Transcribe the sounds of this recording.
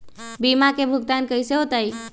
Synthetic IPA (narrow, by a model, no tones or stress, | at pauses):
bimakebʱuɡ̚t̪ankəjseɦot̪aj